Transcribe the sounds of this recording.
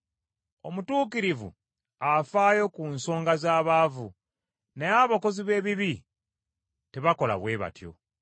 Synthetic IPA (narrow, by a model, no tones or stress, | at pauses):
o̞mutuːkiɾivṵ | afaːjo̞kunso̞ːŋɡazaːβaːvṵ | neaβoko̞ziβe̞ːβiβi | te̞βako̞la̰βwe̞ːβa̰tjo̞̰